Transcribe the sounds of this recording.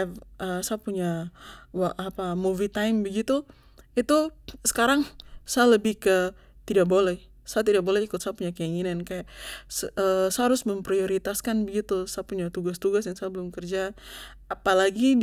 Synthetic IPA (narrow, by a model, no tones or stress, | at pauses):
əsaapuɲawaapamuvit̪ajmbəɡit̪u | it̪usə̥kaɾaŋsajaləbɪhkə | t̪idak̚bolɛh | saat̪̬idak̚bolɛhikʊt̪sajapuɲakəjaŋinankajaʔsəsaaɾʊsməmpɾioɾit̪askanbəɡit̪usaapuɲat̪uɡast̪uɡasjaŋsaabəlʊmkərd͡ʒaː | palaɡi